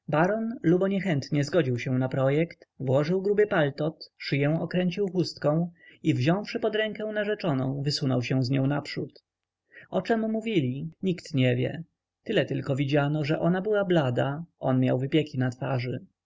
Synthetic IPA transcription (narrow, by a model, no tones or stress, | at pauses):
baɾɔnlubɔɲɛxɛnt̪ɲɛzɡɔd͡ʑiwɕɛ̃w̃napɾɔjɛkt̪vwɔʐɘwɡɾubɘpalt̪ɔt̪ʂɘjɛ̃ɔkɾɛɲt͡ɕiwxust̪kɔ̃w̃ivʑɔ̃w̃fʂɘpɔd̪ɾɛŋkɛ̃w̃naʐɛt͡ʂɔnɔ̰̃w̃vɘsunɔwɕɛw̃zɲɔ̃w̃napʂut̪ | ɔt͡ʂɛmmːuvʲilʲiɲikt̪ɲɛvʲjɛ̰ | t̪ɘlɛt̪ɘlkɔvʲid͡ʑanɔʐɛʔɔnabɘwablad̪aʔɔnmʲja̰wvɘpʲjekʲinat̪faʐɘ